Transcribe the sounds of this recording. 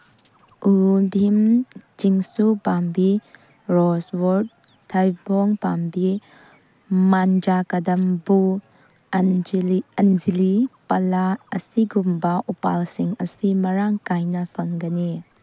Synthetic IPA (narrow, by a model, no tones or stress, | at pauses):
ubʱimt͡ʃiŋsupambi | ɾɔswoɾd̚ | tʰɐjbɔŋpambi | mand͡ʒakɐdɐmbu | ɐnzilipɐlaːsiɡumbɐʔupa̰lsiŋɐsimɐɾaŋkajnɐpʰɐŋɡɐni